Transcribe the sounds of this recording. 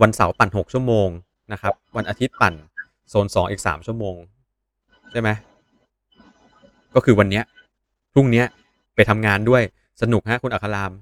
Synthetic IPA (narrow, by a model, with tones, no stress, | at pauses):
wa˧nsa˩˦wpa˨˩nɦo˨˩k̚t͡ɕʰu˥˩əmoː˧ŋ | na˦˥kʰa˦˥p̚wa˧nʔa˧t̪ʰi˦˥t̪̚pa˨˩n | soː˨˩˦nsɔː˩˦ŋʔiː˨˩k̚sa̰ː˩˦mt͡ɕʰu˥˩əmoː˧ŋ | t͡ɕʰa˥˩jma˦˥j | kɔː˥˩kʰɯː˧wa˧nːi˦˥ɐ | pʰɾu˥˩ŋni˦˥ɐ | pa˧jt̪ʰa˧mŋaː˧ndu˥˩əj | sa˧nu˨˩k̚ɦa˦˥ʔkʰu˧nʔa˨˩kʰa˧laː˧m